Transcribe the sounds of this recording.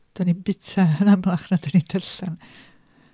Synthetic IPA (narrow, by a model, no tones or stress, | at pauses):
d̥anibɪtʰaənamlaχnadanidəɬən